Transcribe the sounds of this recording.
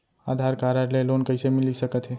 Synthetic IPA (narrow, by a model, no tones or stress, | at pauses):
ad̪ʱaɾkaɾəɾlelonkəɪsemilisəkət̪ɦe